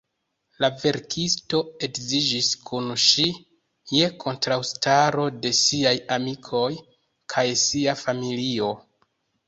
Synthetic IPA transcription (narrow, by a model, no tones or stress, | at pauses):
lave̞ɾkʰisto̞e̞kzid͡ʒiskʰunʃi | je̞kʰo̞ntɾawstaɾo̞de̞siajamikʰo̞j | kʰajsiafamilio̞